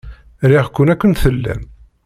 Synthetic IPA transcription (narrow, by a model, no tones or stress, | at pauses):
ɾiʁkʷːʊnækʷːənθəlːæ̰m